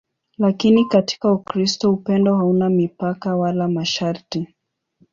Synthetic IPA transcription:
lakinikati̥kaukɾistɔupɛndɔhaunamipakawalamaʃaɾti

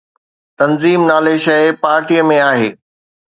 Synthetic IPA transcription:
t̪ɐnziːmnaːleʃɐɪpaːɾʈijəmẽaːɦḛː

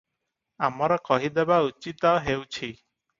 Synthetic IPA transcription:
amɔɾɔkɔɦid̪ebaut͡ʃit̪ɔɦewt͡ʃʰi

